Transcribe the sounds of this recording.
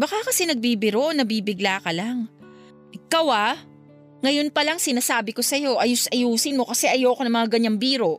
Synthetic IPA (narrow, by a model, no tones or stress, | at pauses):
bɐkakɐsɛnɐɡ̚biːbɪɾonɐbiːbɪɡlaːkɐlaŋ | ʔɪkawa | ŋɐjo̞npɐlaŋsɪnaːsaːbɪko̞sɐjo̞ʔɐjʊsʔɐjuːsɪnmo̞kɐsɛʔɐjoːkonɐŋmɐŋaɡɐɲːaŋbiːɾo̞